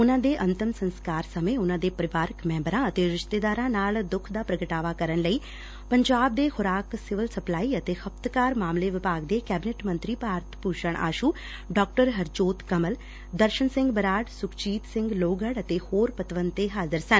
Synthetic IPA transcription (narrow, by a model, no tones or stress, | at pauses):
ʊnãːd̪eːʔɐnt̪ɪmsə̃nskaːɾsəmẽʊnãːd̪eːpəɾɪʋaːɾəkmɛ̃ːmbəɾãːət̪eːɾɪʃt̪eːd̪aːɾãnaːld̪ʊkʰd̪aːpɾəɡəʈaːʋaːkəɾənləiː | pəɲd͡ʒaːb̚d̪eːxʊɾaːksɪʋəlsəplaːiːət̪eːxəp̚t̪kaːɾmaːmleʋɪpaːɡd̪eːkɛːbɪneʈmə̃nt̪ɾiːpaːɾt̪ʰpuːt͡ʃəɳ̃ʔa̰ːʃuː | ɖɔːk̚ʈəɾɦəɾd͡ʒoːt̪kəməl | d̪əɾʃənsɪ̃ŋɡbəɾaːɖsʊkt͡ʃiːt̪sɪ̃ŋɡloːɡəɽət̪eːhoːɾpət̪ʋənt̪eɦaːzəɾsən